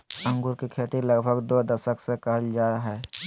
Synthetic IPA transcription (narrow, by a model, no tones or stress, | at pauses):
ə̃ŋɡuɾkikʰeːt̪iləɡbʱəɡd̪od̪əʃəksekəɦəld͡ʒaːɾaɦɛː